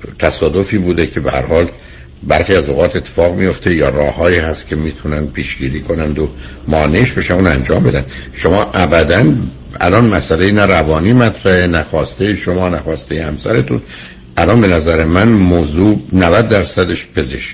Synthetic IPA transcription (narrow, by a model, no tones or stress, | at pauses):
t̪ʰæsɒːd̪o̞fiːbuːd̪ecʰe̞behæ̰ɾhɒːl | bæɾχiːæzoɣɒːt̪ʰe̞t̪ʰːe̥fɒːɣmijo̞ft̪ʰe̞jɒːrɒːhɒːiːhæst̪cʰe̞miːt̪ʰunænd̪̚pʰiːʃɟiːɾiːkʰo̞nænd̪o | mɒːneʃbe̞ʃæuːnænd͡ʒɒːmbe̞d̪ænd̪ʃomɒːʔæbæd̪æn | æ̰lɒnmæsælejinæɾævɒːniːmæt̪ʰɾæhenæxɒːst̪ejiʃomɒːnæxɒːst̪ejehæmsæɾe̞t̪ʰṵn | ʔælɒːnbe̞næzæɾemænmoːzuːnævæd̪ːæɾsæd̪eʃpʰe̞ze̞ʃc